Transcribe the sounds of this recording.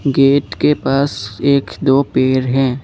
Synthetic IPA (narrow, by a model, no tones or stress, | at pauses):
ɡeːʈ̪kepaːseːkd̪oːpeːɾɦɛ̃ː